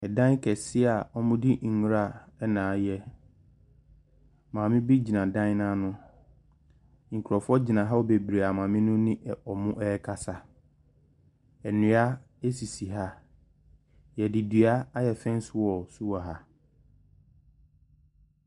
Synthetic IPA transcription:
ɛ˨dã˦kʰɛ˨sɪ˦a˨ɔ˦mʊ̃˦di˦ŋ̩˨ŋũ˦ɾa˦˨ɛ˦nãː˨jɛ˦ | mã˨mɪ̃˦bi˦d͡ʑi˨nã˨dã˦n˦nã˦nʊ̃˦ | ŋ̩˨kʰu˨ɾɔ˨fʊ˦ɔ˦d͡ʑi˨nã˨ɦa˦wo˨be˨bɾe˨a˨mãː˨mɪ̃˦nʊ̃˦nɪ̃˦ʔɛ˨ɔ˨mʊ̃˦ʔɛː˦kʰa˦sa˨ | ɛ˨nũ˨˦a˦ | e˦si˨si˨ɦa˦ | jɛ˨di˨dɥa˦a˦jɛ˨fɛ̃˦n˦sʊ˦˨wɔ˨su˦wa˨ɦa˨

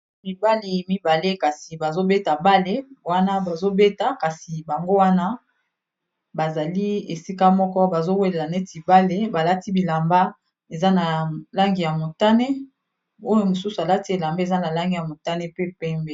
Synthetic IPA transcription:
mi˨ba˦li˨mi˦ba˨le˦ka˨si˨ba˨zo˦be˦ta˨ba˦le˦wa˦na˦ba˨zo˦be˦ta˨ka˨si˨ba˨ŋɡo˦wa˦na˦ | ba˨za˨li˦e˨si˦ka˦mɔ˦kɔ˦ba˨zo˦we˦le˨la˨ne˦ti˨ba˦le˦ba˨la˦ti˦bi˨la˨mba˦ | e˨za˦na˨la˦ŋɡi˨ja˨mo˨ta˦ne˦ | o˦jo˦mo˨su˦su˨a˨la˦ti˦e˨la˨mbe˦e˨za˦na˨la˦ŋɡi˨ja˨mo˨ta˦ne˦pe˦pɛ˦mbe˦˨

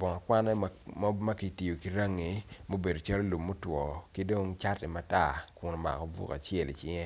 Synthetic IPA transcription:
bɔ˨ŋɔ˨kwa˦nɛ˦ma˦ki˨ti˨jo˨ki˨ɾa˦ŋːi˨mo˦be˨do˨t͡ʃa˦lo˦lu˨mːo˦twɔ˨ki˦do˦ŋt͡ʃa˦ti˨ma˨ta˦kʊ˨no˨ma̰˨ko˨bṵ˨ka̰˨t͡ʃjɛ˦˨lḭ˨t͡ʃɪ˦ŋe˦

